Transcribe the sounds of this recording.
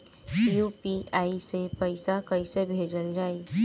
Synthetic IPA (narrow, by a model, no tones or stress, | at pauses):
juːpiaːisepəɪsakəɪsebʱeːd͡ʒəld͡ʒaːe